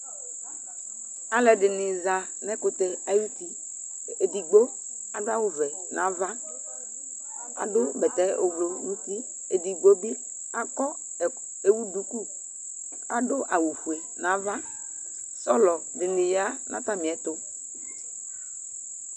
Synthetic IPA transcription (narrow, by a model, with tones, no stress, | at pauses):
a˨lɛ˨dɪ˨nɪ˨za˨ | nɛ˦kʊ˨t̪ɛ˨a˦ju˦ti˨ | e˨di˨ɡ͡bo˦ | a˨da˦wʊ˨vɛ˨ | nʔã˨˦va˦ | a̰˨dʊ˦bɛ˨t̪ɛ˨˦ʔʊ˨blo˨nũ˦si˦ | e˨di˨ɡ͡bo˦bi˦ | a˨kɔ˦˨ | e˨wu˦du˨ku˦ | a̰˨dʊ˦ʔa˨wu˨fu˨e˨ | nã˨˦va˦ | sɔ˦lɔ˨dɪ˨nɪ̃˨ja˦nʔa̰˨t̪a˦mĩ˨ɛ˨˦t̪ʊ˦